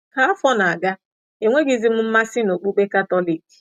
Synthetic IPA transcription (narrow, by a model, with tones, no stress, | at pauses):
ka˨a˦fɔ˦na˨a˨ɡa˦ | e˨ŋʷe˦ɡi˦zi˦m̩˦m̩˦ma˦sɪ˦no˨k͡pu˦k͡pe˦ka˦tɔ˦li˨ki̥˨